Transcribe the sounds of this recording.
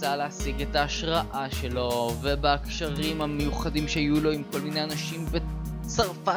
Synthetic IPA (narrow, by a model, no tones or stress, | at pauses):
aleasiɡetaːʃʁaʔaʃe̞lo̞vebeakʃaʁimhame̞juχadimʃeajulo̞imko̞lmineanaʃimbe | t͡saʁfa